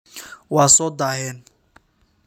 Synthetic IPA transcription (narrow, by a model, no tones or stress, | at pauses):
wasɔd̪aɦɛn